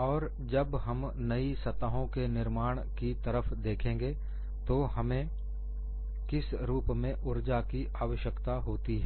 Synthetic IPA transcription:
ɔːɾ | d͡ʒɐbɦɐm | nɐisɐt̪aɦõkenɪɾmaːɽ̃kit̪ɐɾəfd̪eːkʰẽːŋɡe | t̪oɦɐmẽ | kɪs | ɾuːpmẽʔʊɾd͡ʒakiʔaːʋəʃjəkt̪aɦoːt̪iɦɛː

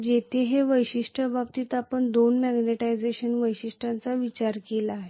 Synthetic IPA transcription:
d͡ʑet̪ʰeɦeʋəjɕiʂʈʰəbap̚t̪iːt̪apəɳd̪onmɛɡneʈajd͡zeɕənʋəjɕiʂʈʰãnt͡saʋit͡ɕaɾkelaːɦe

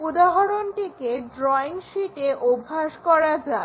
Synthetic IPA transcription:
ud̪aɦoɾonʈikeɖɾɔiŋʃiʈeʔobʱːaʃkɔɾad͡ʑa

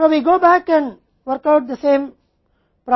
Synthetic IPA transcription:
oːʋiːɡoːbækɛ̃ɳɖ | ʋəɾkaʊʈ̚d̪əsẽːm | pɾa

